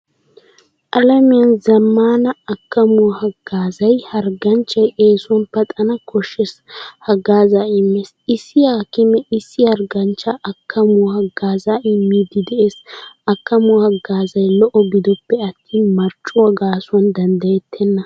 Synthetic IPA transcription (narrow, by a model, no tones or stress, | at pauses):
ʔɐlɐmɪjɐnzɐmːaːnɐɐkːɐmʊhɐɡ̥ːaːzɐjhɐɾɡɐnt͡ʃːɐjʔeːsʊwɐnpɐt̪ʼɐnɐkʰɔʃɛshɐɡaːzaːɪmːesɪsːɪjaːkɪmɛɪsːɪhɐɾɡɐnt͡ʃːaʔɐkʰːɐmʊwɔhɐɡːaːzaːʔɪmːiːd̪ɪd̪ɛʔe̞ːsɐkːɐmʊwhɐɡːaːzɐjlɔʔɔɡɪd̪ɔpːɛɐt̪ːiːnmɐɾt͡ʃʼːʊwɐɡaːsʊɐnd̪ɐnd̪ɐjɛt̪ʰːɛnːɐ